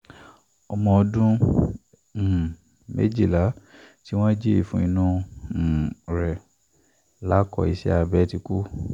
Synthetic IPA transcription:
ɔ˧mɔ̃˧ɔ˧dũ˦˨ | mḛ˦d͡ʒi˦˨la˨˦ti˦w̃ɔ̃˦d͡ʒe˦i˨fũ˧˦i˧nũ˦˧˨ | ɾɛ˨ | la˨˦kɔ̰˧i˧ʃɛ̰˦a˧bɛ˦ti˧ku˦

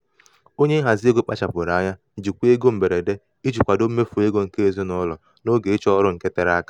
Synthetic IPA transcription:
o˦ɲe˦ɦa˨zɪ˦e˦ɡo˦k͡pa˦t͡ʃa˨pʊ˨ɾa˨˦ɲa˦˨d͡ʒi˨kʷu˦e˦ɡo˦m̩˨be˨ɾe˨de˦ | i˦t͡ʃu˨kʷa˨do˦m̩˦me˦fu˨e˦ɡo˦ŋ̩˨ke˦e˦˨zo˦nɔ˦lɔ˨ | no˦ɡe˨i˦t͡ʃɔ˦ɾʊ˦ŋ̩˨ke˦te˨ɾa˦ka˦

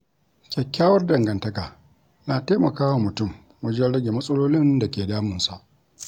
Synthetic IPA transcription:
kʲɛ˨kʲːaː˦wɐ˦rdɐ˨ŋɡɐ˨ntɐ˦kaː˨ | naː˨teː˦mɐ˨kaː˦wa˨mʊ˨tʊ˦˨m | wɐ˦d͡ʒɛ˦nɽɐ˦ɡʲe˨mɐ˦sʼɐ˦loː˦lɪ˦nda˨kʲeː˨daː˦mʊ˨nsa˨ʔ

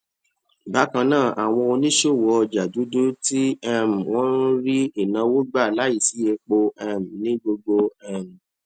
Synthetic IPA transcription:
ba˨˦kã˧nãː˦˨ʔa˨w̃ɔ̃˧o˧nĩ˦ʃo˦˨wɔ˧d͡ʒa˨du˨˦du˦ti˦ɛ˦˨m̩˨w̃ɔ̃˦n˦ɾi˦i˦˨nã˧wo˦ɡ͡ba˦˨la˨˦i˦˨si˨˦je˧k͡po˧ɛ˦˨m̩˨nĩ˦ɡ͡bo˧ɡ͡bo˧ɛ˦˨m̩˨

